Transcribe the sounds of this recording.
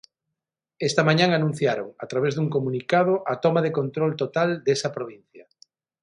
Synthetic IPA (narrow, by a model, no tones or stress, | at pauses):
est̪ɐmãɲãŋanũn̟θjaɾoŋat̪ɾaβ̞ezðuŋkomũnikað̞oʔat̪ɔmaðekont̪ɾɔlt̪ot̪ald̪esɐpɾoβ̞in̟θjɐ